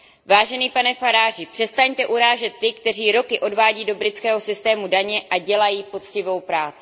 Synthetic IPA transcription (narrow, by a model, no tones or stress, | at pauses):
vaːʒɛniːpanɛfaɾaːrɪpr̝̥ɛst̪aɲt̪ɛʔuɾaːʒɛt̪ːɪkt̪ɛr̝iːɾo̞kɪʔo̞dvaːɟiːdobɾɪt͡skɛːɦo̞sɪst̪ɛːmudaɲɛʔaɟɛlajiːpo̞t͡scɪvo̞wpɾaːt͡sɪ